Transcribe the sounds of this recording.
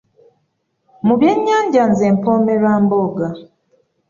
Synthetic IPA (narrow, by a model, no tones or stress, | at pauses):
muβjeɲːaːɲɟanzempomeɾaːmboɡa